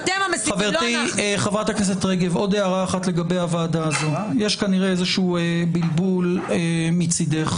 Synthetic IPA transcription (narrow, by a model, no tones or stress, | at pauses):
d̪emamasχaveʁt̪iχavʁat̪akes̬etʁeɡevo̞d̪eaʁaːχat̪le̞ɡabe̞javaːd̪aːzo̞je̞ʃkaniʁeezeʃuuːebilbulemit͡sid̪eχ